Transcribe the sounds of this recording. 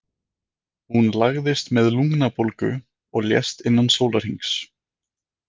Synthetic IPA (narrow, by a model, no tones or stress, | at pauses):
hunlaɣðɪst̪mɛðluŋknapolkʏ̰ | ɔɣljɛ̰st̪ɪnːansoːwlaɾ̥hiŋks